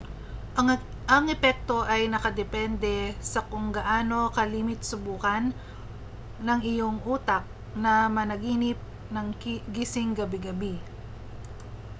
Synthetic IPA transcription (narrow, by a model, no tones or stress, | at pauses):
ɐŋɛpɛk̚t̪o̞ʔɐjnɐkɐd̪ɛpɛnd̪ɛsɐkʊŋɡɐʔaːno̞kɐliːmɪt̪̚sʊbuːkɐn | ɐŋɪjo̞ŋʔuːt̪ɐk̚ | nɐmɐnɐɡiːnɪp̚ | nɐŋɡisɪŋɡɐbɪɡɐbi